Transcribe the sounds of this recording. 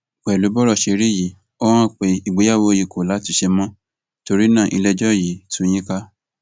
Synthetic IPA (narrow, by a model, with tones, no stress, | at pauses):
k͡pɛ˨lu˨˦bɔ˦ɾɔ˦˨ʃe˧ɾi˦˨ji˨˦ | ɔ˦w̃ã˦˨k͡pe˨i˨ɡ͡be˨˦ja˦˨wo˧ji˨kʰo˨la˨˦ti˦˧ʃe˧mɔ̃˦ | to˧ɾi˦nã˦˨ʔi˧lɛ˧d͡ʒɔ˦˨ji˨˦tũ˦j̃ĩ˦ka˦